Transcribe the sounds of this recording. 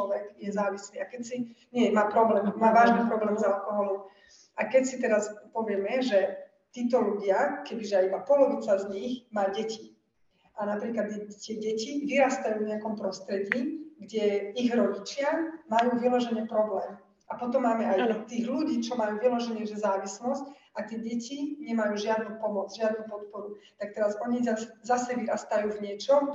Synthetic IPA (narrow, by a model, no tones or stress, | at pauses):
ɔʋɛɡjɛzaːʋisliːakɛcsiɲɪɛmaːpɾɔblɛːmmaːʋaːʒnipɾɔblɛːmzalkɔɦɔlɔm | akɛcsit̪ɛɾaspɔʋɪɛmɛʒɛ | t̪iːt̪ɔluɟɪakɛbiʒɛaibapɔlɔʋiːt͡sazɲixmaːɟɛci | ʔanapɾiːklad̪ɛt̪ɪɛɟɛciʋiɾast̪ajuːvɲɛakɔmpɾɔst̪ɾɛɟiːɡɟɛiɣɾɔɟit͡ʃɪamajuːʋilɔʒɛɲɛpɾɔblɛːm | apɔt̪ɔmːaːmɛajt̪iːɣluɟiːt͡ʃɔmajuːʋilɔʒɛɲɛʒɛzaːʋislɔsc | at̪ɪɛɟɛciɲɛmajuːʒɪad̪nupɔmɔd͡zʒɪad̪nupɔt̪pɔɾut̪ak̚t̪ɛɾazɔɲizazasɛʋiɾast̪ajuːvɲɪɛt͡ʃɔ